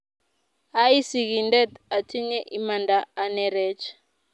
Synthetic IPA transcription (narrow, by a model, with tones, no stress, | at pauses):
a˦i˦si˨ki˨ndɛ˦ta˨tʰi˦ɲɛ˦ʔi˦ma˨ndaː˨˦nɛ˦ɾɛ˦t͡ʃʰ